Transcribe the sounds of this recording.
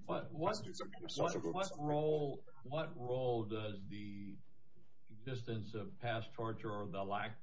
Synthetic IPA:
wʌt̚wʌ | sʌtwʌt̚ɹoʊlˠ | wʌt̚ɹoʊlˠdʌzði | ɨɡzɪstɨ̃nsʌv̥pʰæstʰɑɹt͡ʃə˞ə˞ðəlæk̚

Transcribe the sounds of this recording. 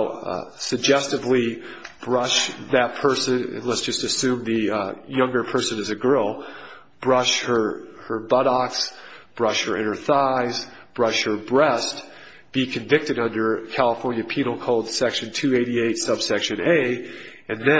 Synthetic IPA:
sɨɡ̚d͡ʒɛstɨvlib̥ɹʌʃðɨt̚pʰɜ˞sɨ̃nɨ̰̃nlɛtsd̥ʒ̥ʌstɨsʉ̃mðɨjʌ̃ŋɡə˞pʰɜ˞sɨ̃nɨzɨɡɜ˞lˠ | b̥ɹʌʃhə˞ə˞bʌɾɑksb̥ɹʌʃhə˞ɪ̰̃ñə˞θaɪzb̥ɹʌʃhə˞bɹɛst̚ | b̥ikʰɨ̃nvɪk̚tɨɾʌ̃ndə˞kʰælˠəfɔɹnjɨpʰinl̩ˠkʰoʊlˠd̥sɛkʃɨ̃ntʰʉeɪɾieɪtsʌb̥sɛkʃɨ̃neɪ | ɨ̃nðɨ̃

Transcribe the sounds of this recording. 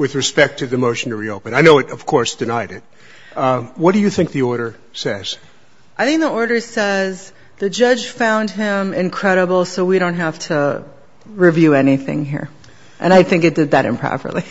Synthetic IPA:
wɨðɹɨspɛk̚tʰɨðɨmoʊʃn̩tʰɨɹioʊpɨ̃naɪnoʊɨɾʌv̥kʰɔɹsd̥ɨnaɪɾɪt̚ | wʌt̚d̥ɨjɨθɪ̃ŋk̚ðiɔɹɾə˞ | sɛz̥ | ʔaɪθɪ̃ŋk̚ðiɔɹɾə˞sɛz | ðɨd͡ʒʌd͡ʒʒ̥fãʊ̃nd̚ɪ̃mɪ̃nkʰɹ̥ɛɾəbl̩ˠsoʊwiɾõʊ̃nt̚ɦæftʰə | ɹivjʉɛniθɪ̰̃ŋɦḭɹ | ʔɨ̰̃naɪθɪ̃ŋkɨt̚d̥ɨd̪̚ðɨɾɨ̰̃mpʰɹ̥ɑ̰pə̰˞lˠi

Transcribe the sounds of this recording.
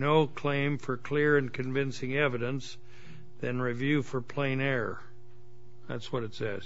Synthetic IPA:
noʊkʰl̥ẽɪ̃ɱfə˞kʰl̥ɪɹɨ̃nkʰɨ̃ɱvɪ̃nsɪ̃ŋɛvɨɾɨ̃ns | ðɨ̃nɹivjʉfə˞pʰl̥ẽɪ̃nɛɹə̰ | ðæ̰tswʌɾɨtsɛz̥

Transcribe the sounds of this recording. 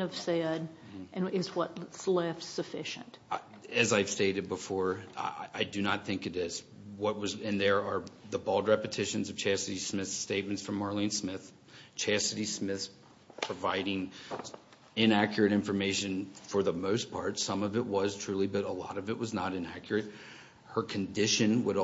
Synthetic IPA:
ʌv̥sɛd | ʔɨ̃nɪzwʌtslɛftsɨfɪʃɨ̰̃nt | ɨzaɪv̥steɪɾɨd̚bəfɔɹʔaɪdɨnət̪̚θɪ̃ŋkɨɾɪz̥ | wʌt̚wʌzɨ̃nðə˞ə˞ðəbɔlˠd̚ɹɛpɨtʰɪʃɨ̃nzʌv̥t͡ʃʰæsɨɾismɪθsteɪt̚m̃ntsfɹʌ̃mːɑɹlˠĩnsmɪθ | t͡ʃʰæsɨɾismɪθ | pʰɹ̥əvaɪɾɪ̃ŋ | ɪ̃nækjə˞ɨɾɪ̃ɱfə˞meɪʃɨ̃nfə˞ðəmoʊspʰɑɹtsʌ̃mʌvɨʔ̚wʌz̥tʰɹ̥ʉlˠibʌɾəlɔ̰ɾʌvɨʔ̚wʌznəɾɨ̃næ̰kʰjə˞ɨt̚ | hə˞kʰɨ̃n̩dɪʃɨ̃nwəɾ

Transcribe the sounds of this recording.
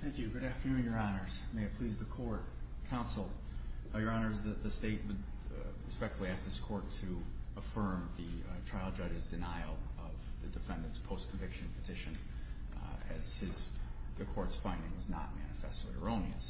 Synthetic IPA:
θæ̃ŋkjʉɡʊɾæftə˞nʉ̃njə˞ɑnə˞z̥meɪɨt̚pʰl̥izðɨkʰɔɹt̚kʰãʊ̃nsl̩ˠjə˞ɑnə˞zðɨt̪̚ðɨsteɪt̚wəd̚ | ɹɨspɛk̚tfəl̩ˠiæs̚ðɨz̥kʰɔɹtʰɨəfɜ̃˞mðɨtʰɹ̥aɪlˠd͡ʒʌd͡ʒɨzdɨnaɪl̩ˠʌvðɨdɨfɛ̃ndɨ̃ntspʰoʊskʰɱ̩vɪkʃɨ̃n̩pʰɨtʰɪʃɨ̃n | ɨ̰z̥ɪz̥ðɨkʰɔɹtsfãɪ̃ndɪ̃ŋwʌznə̰t̚mænɨfɛ̰stˡlḭə̰˞õʊ̃niɨ̰s

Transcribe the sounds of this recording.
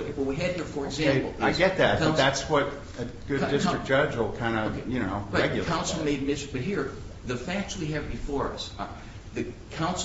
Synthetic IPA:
wʌwiɨd̚hiɹfə˞ɨɡzæ̃mpl̩ˠaɪɡɛt̪̚ðæt̚bʌððætswʌɾ | ɨɡ̥ʊddɪstɹ̥ɨk̚d̥ʒ̥ʌd͡ʒl̩ˠkʰãɪ̃ndəjɨñoʊ̥ɛɡjl̩ˠkʰãʊ̃nsl̩ˠmeɪd̚mɪzb̥ʌt̚ɦiɹ | ðɨfæk̚tswiɨvbɨfɔɹʌ̰s | ðɨkʰãʊ̃ns

